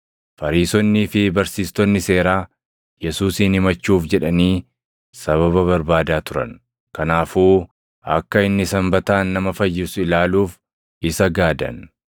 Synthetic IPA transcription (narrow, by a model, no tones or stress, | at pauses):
fɐɾiːsɔnːiːfɪbɐɾsiːst̪ɔnːɪse̞ːɾaː | jɛsuːsiːnhɪmɐt͡ʃːuːfd͡ʒɛᶑɐniː | sɐβɐβɐβɐɾbaːd̪aːt̪ʊɾɐ̰n | kɐnaːfuː | ɐ̰kːɐɪnːɪsɐmbɐt̪aːnːɐmɐfɐjːɪsʊɪlaːluːf | ɪsɐɡaːd̪ɐ̰n